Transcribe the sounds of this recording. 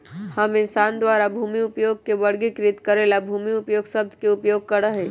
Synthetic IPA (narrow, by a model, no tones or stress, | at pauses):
həmɪnsaːnd̪waːɾabʱuːmiʊpjoːɡ̚keʋɐɽɡikɾɪt̪kəɾeːlabʱuːmiʊpjoːɡsəb̚d̪ʱkeʊpjoːɡ̚kəɾəɦɛ̃ː